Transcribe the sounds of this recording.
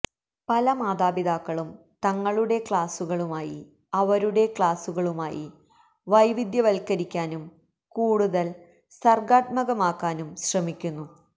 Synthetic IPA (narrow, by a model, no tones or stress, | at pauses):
pɐlɐmaːd̪aːbid̪aːkːɐɭum | t̪ɐŋːɐɭuɽe̞kɭaːsuɣɐɭumaːjḭ | ɐʋɐɾuɽe̞kɭaːsuɣɐɭumaːjḭ | ʋɐjʋid̪jɐʋɐlkːɐɾikʲːaːnum | kuːɽuðɐl | sɐrɡaːt̪̚mɐɣɐmaːkːaːnumɕrɐmikʲːunːu